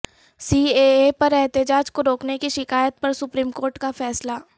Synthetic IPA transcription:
siːeepɐɾɛɦt̪ɪd͡ʒaːd͡ʒkoɾoːknekiʃɪkaːjət̪̚pɐɾsʊpɾiːmkoːɾʈkafɛːsla

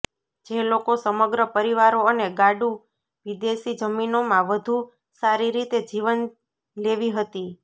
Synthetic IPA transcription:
d͡ʒelokosəməɡɾəpəɾiʋaɾoəneɡaɖu | ʋid̪eʃid͡ʒəminomãʋəd̪ʱu | saɾiɾit̪ed͡ʒiʋən | leʋiɦət̪i

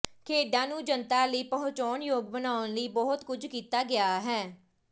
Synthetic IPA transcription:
kʰeːɖãːnũːd͡ʒənt̪aːləiːpəɦʊ̃t͡ʃɔːɳjoːɡbənaːʊnləiːbɔːʊt̪kʊd͡ʒkiːt̪aːɡɪaːɦɛː

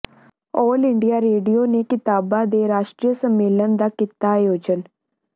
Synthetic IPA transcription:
ɔːlɪɳɖijaːɾeːɖijoːnekɪt̪aːbãːd̪eːɾaːʃʈɾijəsəmːeːlənd̪aːkɪt̪aːjoːd͡ʒən

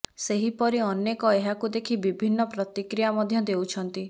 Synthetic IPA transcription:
seɦipɔɾiɔnjekɔeɦakud̪ekʰibibʱinːɔpɾɔt̪ikɾijamɔd̪ʱjɔd̪ewt͡ʃʰɔnt̪i

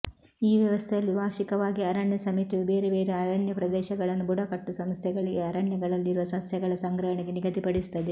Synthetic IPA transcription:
iːʋjɐʋɐst̪ʰejɐlːibʱaːɾʃikɐʋaːɡiɐɾaːɳjɐsɐmit̪iʋubeːɾebeːɾeɐɾaɳjɐpɾɐd̪ɛːʃɐɡɐɭɐnːubuɽɐkɐʈːusɐmst̪ʰɛɡɐɭiɡe̞ɐɾaːɳjɐɡɐɭɐlːiɾuʋɐsɐsjɐɡɐɭɐsɐŋɡɾɐɦɐɳeɡe̞niɡɐt̪ipɐɽisi̥t̪ːɐd̪e

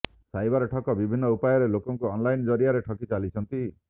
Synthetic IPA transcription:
sajbaɾɔʈʰɔkɔbibʱinːɔupajɔɾelokɔŋkuɔnlajnd͡ʒɔɾiaɾeʈʰɔkit͡ʃalit͡ʃʰɔnt̪i

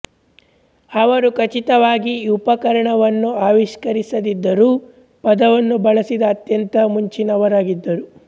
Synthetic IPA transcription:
ɐʋɐɾukɐt͡ʃit̪ɐʋaːɡiupɐkɐɾɐɳɐʋɐnːuaːʋiʃkɐɾisɐd̪id̪ːɐɾuː | pɐd̪ɐʋɐnːubɐɭɐsid̪ɐːt̪jɐnt̪ɐmuɲt͡ʃinɐʋɐɾaːɡid̪ːɐɾu

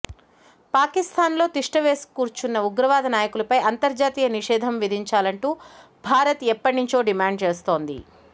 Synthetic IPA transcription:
paːkist̪ʰaːnlo̞ːt̪iʂʈɐʋe̞ːskuːɾt͡ʃunːɐuɡɾɐʋaːd̪ʱɐnaːjɐkulɐpɐjɐnt̪ɐɾd͡ʒaːt̪iːjɐniʂɛːd̪ʱɐmʋid̪ʱiɲt͡ʃaːlɐɳʈuː | bʱaːɾɐt̪ɛpːɐʈinuɲt͡ʃo̞ːɖimaːɳɖ̚t͡ʃe̞ːst̪o̞ːnd̪ḭ

